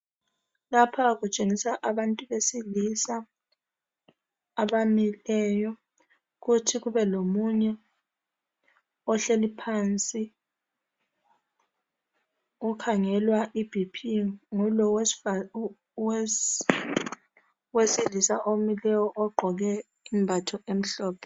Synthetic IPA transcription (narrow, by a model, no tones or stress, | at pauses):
lapʰak̬ut͡ʃʼeŋisaʔaɓantʼuɓesilisa | ɓamilɛːjɔ | k̬utʰik̬uɓɛlomuɲɛ | ɔɬelipʰant͡sʼi | ukʰaŋɛlwaʔib̥ʱipʰiŋulɔw | wesilisaʔomilɛwɔʔɔɡ͡ǃʱɔk̬ɛ | imbʱatʰɔem̩ɬɔːpʰɛ